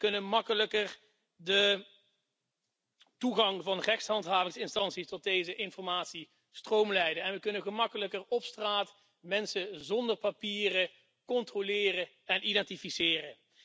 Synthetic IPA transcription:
kɵnənmɑkələkər | də | tuɣɑŋvɑnrɛxtsɦɑntɦaːvɪŋsɪnstɑntsistɔt̚dejzəʔɪnfɔɹmaːtsi | strowmlɛjdənɛnʋəkɵnəɣəmɑkələkərɔpstraːt | mɛnsəzɔndəɹpapiːrə | kɔntrolɪːrə | ɛnʔidɛntifisɪːrə

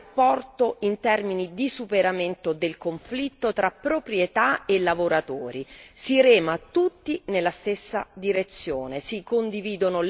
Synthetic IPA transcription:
pːɔrt̪oint̪ɛrminid̪isupeɾament̪od̪elkoɱflit̪ːot̪ɾapːɾopɾjet̪aelːavoɾat̪oːɾisiɾɛːmat̪ut̪ːinelːast̪esːad̪iɾet̪sːjoːnesikond̪iviːd̪onol

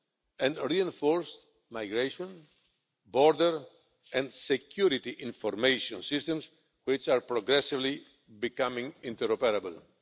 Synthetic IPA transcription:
ɛ̃nɹiɛ̃ɱfɔɾs | majɡɾeʃɔ̃n | bɔɾd̪ɛɾ | ɛ̃nd̪sekʰjuɾit̪iʔĩɱfɔɾmejʃɔ̃nsist̪ɛ̃ms | wit͡ʃaɾpɾɔɡɾɛsivli | bikamĩŋĩnt̪ɛɾɔpɛɾabəl

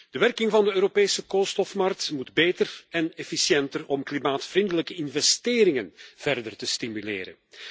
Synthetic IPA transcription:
d̥əʋɛrkɪŋvɑndəøːɾopeːsəkoːlˠstɔfmɑrk̚tmudbeːtərɛnɛfisjɛntərɔmklimaːtfrindələkəɪnvɛsteːɾɪŋənv̥ɛrdərtəstimylḛːɾə̰n

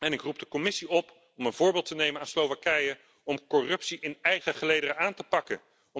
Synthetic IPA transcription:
ɛnɪkrub̚dəkɔmɪsiɔp | ɔmənvʊːɹbɪːlˠtənejmənaːnslowvakɛjə | ɔmkɔrɵpsiʔɪnɛjχəχəlejdərəaːntəpɑkə

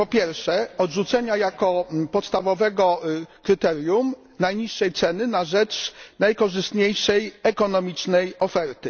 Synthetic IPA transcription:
pɔpʲjɛɾfʂɛɔd̪ʐut̪sɛɲajakɔpɔt̪st̪avɔvɛɡɔkɾɘt̪ɛɾʲjum | najɲiʂːɛjt̪sɛnɘnaʐɛt͡ʂnajkɔʐɘst̪ɲejʂɛjɛkɔnɔmʲit͡ʂnɛjɔfɛɾt̪ɘ

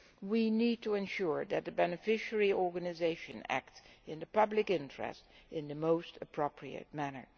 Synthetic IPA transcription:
winid̚təɨ̃nʃʊɹðɨt̪̚ðɨbɛnɨfɪʃəɹiɔɹɡɨnɨzeɪʃɨ̰̃næ̰k̚tsɨ̃nðəpʌblɪkɪ̃ntʰɹ̥ɛ̰stɪ̃nðɨmoʊstəpʰɹ̥opʰɹiɨ̰t̚mænə̰˞

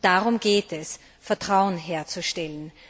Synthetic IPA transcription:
d̥aʁʊmɡeːtɛs | fɛɐtʁ̥aʊənɦeːɐt͡suʃtɛlən

